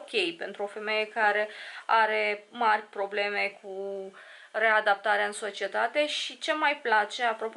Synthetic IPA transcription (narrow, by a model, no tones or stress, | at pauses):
kʲe̞jpe̞nt̪ɾuofe̞me̞je̞kaɾe̞aɾe̞marʲpɾo̞ble̞me̞kʰu | re̞ad̪ap̚t̪aɾeaɨnso̞t͡ʃie̞t̪at̪e̞ʃit͡ʃe̞majplat͡ʃe̞apɾo̞p